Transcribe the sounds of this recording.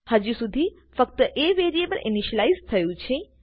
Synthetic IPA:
həd͡ʒusud̪ʱi | fək̚t̪əʔeʋeɾiebəlʔḭniʃəlajzt̪ʰəjũt͡ʃʰe

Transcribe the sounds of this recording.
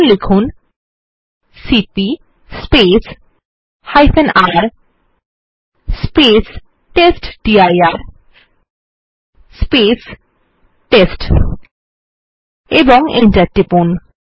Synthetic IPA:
lekʰun | sipi | spes | hajfʰenaɾ | spes | ʈesʈɖiajaɾ | spes | ʈesʈ | eboŋenʈaɾʈipun

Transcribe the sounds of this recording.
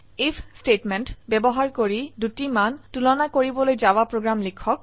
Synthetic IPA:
ipʰstetmɛntbɛbɔɦaɹkoɹidutimantulɔnakoɹibɔlojzawapɹoɡɹamlikʰɔk̚

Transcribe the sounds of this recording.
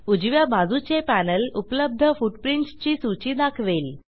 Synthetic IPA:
ud͡ʑʋjabad͡zʱut͡ɕepænəlupləb̚d̪ʱəfuʈpɾiɳt͡st͡ɕiːsut͡ɕiːd̪akʰʋel

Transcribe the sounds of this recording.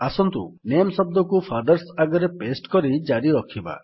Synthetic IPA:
asɔnt̪ṵnemsɔb̚d̪ɔkufʰad̪ɔɾsaɡɔɾepesʈkɔɾid͡ʒaɾiɾɔkʰiba̰

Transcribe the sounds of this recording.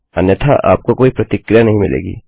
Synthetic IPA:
ɐnjət̪ʰaʔa̰ːp̚kokoːipɾɐt̪ɪkɾɪjanɐɦĩmɪ̰lḛːɡḭː

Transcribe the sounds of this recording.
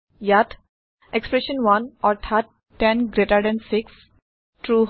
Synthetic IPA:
jat | ekspɾeʃə̃nwʌ̃nɔɾt̪ʰatː | ɛ̃nɡɾeʈəɾɖɛ̃nsɪks | ʈɾu

